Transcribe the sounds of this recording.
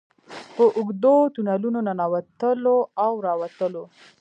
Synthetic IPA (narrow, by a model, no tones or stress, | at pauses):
pəʔʊɡd̪ot̪unalunonanɑwat̪əloawɾɑwat̪əlo